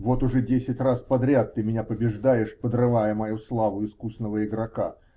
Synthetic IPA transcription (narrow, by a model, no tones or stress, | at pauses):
vo̞t̪ʊʐɛdʲesʲɪtʲraspɐd̪ɾʲat̪ːɨmʲɪnʲapəbʲɪʐd̪ajɪʂpəd̪rɨvajəmɐjuslˠavʊɪskusnəvəɪɡɾɐka